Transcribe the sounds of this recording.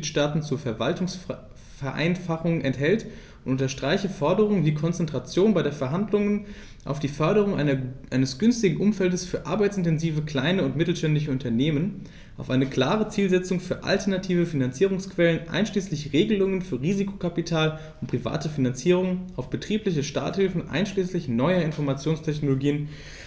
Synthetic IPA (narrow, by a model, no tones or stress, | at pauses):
itʃtaːtn̩t͡suɐfɛɐvaltʊŋs | fɛɐʔa̰ɪnfaχʊŋnʔɛnthɛlt | ʊntʊntɐʃtʁ̥aɪçəfɔɐdəʁ̞ʊŋəviːkʰɔnt͡sɛntʁ̥at͡sjoːnbaɪdeːɐfɛɐɦandlʊŋən | ʔa̰ʊfd̥iːfœɐɾəʁ̞ʊŋʔaɪɐʔaɪnəsɡ̥ʏnstɪɡŋ̩ʔʊmfɛldəsfyːɐʔaɐbaɪtt͡sɪntɛnziːvəkl̥aɪnəʊntmɪtl̩ʃtɛndlɪçəʊntɐneːmən | ʔaʊfʔaɪnəkl̥aːʁ̞ət͡siːlzɛt͡sʊŋfyːɐʔa̰ltɐnatʰiːvəfinant͡siːʁʊŋskv̥ɛlənʔa̰ɪnʃliːslɪçʁeːɡəlʊŋənfyːɐʁiːzikʰo̥kʰapitʰaːl | ʊntpʁ̥iva̰ːtəfinant͡siːʁʊŋənʔaʊfb̥ətʁ̥iːplɪçəʃta̰ːthɪlfn̩ʔa̰ɪnʃliːslɪçnɔʏəɪnfɔɐmat͡sjoːnstʰɛçnoloɡiːən